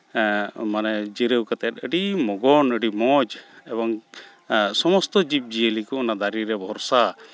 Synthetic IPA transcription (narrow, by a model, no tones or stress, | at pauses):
manɛd͡ʒiɾəwkat̪ɛt̪̚əɖimɔɡɔnəɖimɔd͡ʒɛbɔŋ | sɔmɔst̪ɔd͡ʒip̚d͡ʒiəlikɔɔnad̪aɾiɾɛbʱɔɾsa